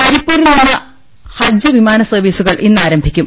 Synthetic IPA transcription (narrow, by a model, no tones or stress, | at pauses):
pɐɾipːuːɾilinːɐ | hɐd͡ʑjɐʋimaːnɐsɐrʋiːsuɣɐɭʔinːaːɾɐmbʱikʲːum